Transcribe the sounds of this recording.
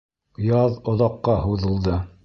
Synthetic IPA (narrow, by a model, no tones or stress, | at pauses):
jɑðŏðɑqːɑɦuðɤ̆lˠd̪ɤ